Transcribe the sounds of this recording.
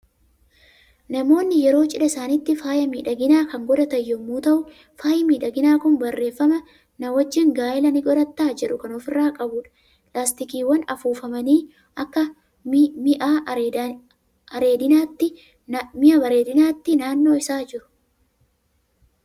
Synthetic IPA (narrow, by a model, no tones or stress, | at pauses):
nɐmo̞ːnːɪjɛɾo̞ːt͡ʃʼɪᶑɐɪsaːnɪt̪ːɪfaːjɐmiːᶑɐɡɪnaːkɐŋɡɔd̪ɐt̪ɐjːɔmuːt̪ɐʔʊ | faːjɪmiːᶑɐɡɪnaːkʊnbɐrːe̞ːfːɐmɐ | nɐwɐd͡ʒːɪŋɡaːʔɪlɐnɪɡɔɾɐt̪ːaːd͡ʒɛᶑʊkɐnɔfɪrːaːkʼɐbʊːᶑɐ̥ | pʼlaːst̪ɪkiːwːɐnɐfuːfɐmɐniː | ʔɐkːɐ | mɪʔaː | ɐɾeːd̪ɪnaːt̪ːɪ | mɪʔɐbɐɾeːd̪ɪnaːt̪ːɪnaːnːo̞ːɪsaːd͡ʒɪɾʊ̥